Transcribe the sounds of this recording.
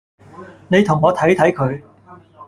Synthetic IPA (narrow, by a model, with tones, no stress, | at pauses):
ne˨˧jt̪ʰʊ˨˩ŋɔː˨˧t̪ʰɐ˨˥jt̪ʰɐ˨˥jkʰɵ˨˧ɥ